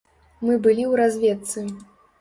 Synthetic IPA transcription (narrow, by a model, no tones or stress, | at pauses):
mɨbɨlʲiwɾazʲvʲɛt̪sɨ